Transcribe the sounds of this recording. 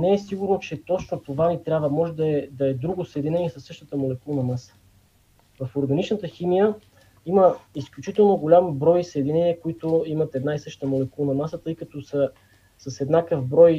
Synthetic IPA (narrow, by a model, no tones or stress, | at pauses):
nɛɛsiɡuɾnot͡ʃɛt̪ɔt͡ʃnot̪ovanit̪ɾʲjabvəmɔʒɛd̪ɐɛd̪ɐɛd̪ɾuɡosəɛd̪inɛnʲiɛsɐsːɤʃt̪ət̪əmolɛkulˠnɐmasə̥ | vɐfoɾɡɐnit͡ʃnət̪əximijə | iməisklʲut͡ʃit̪ɛlˠnoɡolʲambɾɔjisəɛd̪inɛniəkoit̪oimɐt̪ɛd̪naisɤʃt̪əmolɛkulˠnɐmasət̪ɤjkɐt̪ɔsə | sɐsɛd̪nakəfbɾɔj